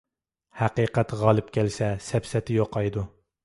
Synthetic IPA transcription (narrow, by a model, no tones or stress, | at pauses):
hæqiːqæt̪ʁɑlˠɨpkʲɛlsɛsɛpsɛt̪ʰɪjoqʰːɑjd̪u